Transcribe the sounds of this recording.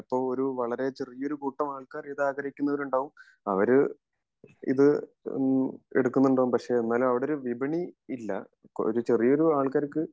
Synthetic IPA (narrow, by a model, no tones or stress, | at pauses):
ipːo̞ːɭoɾuʋɐɭɐɾe̞t͡ɕerijo̞ɾukuːʈːɐmaːɭkaːriðaːɡɐɾikʲːunːɐʋɐɾuɳɖaːʋum | ɐʋɐɾ | ḭðɨ | ḛɽukːunːuuɳɖaːʋumpɐkʂe̞enːaːlumɐʋiɽeoɾuʋibʱɐɳiilːɐ̰ | oɾut͡ɕe̞rijo̞ɾuaːɭkaːɾɐkːɨ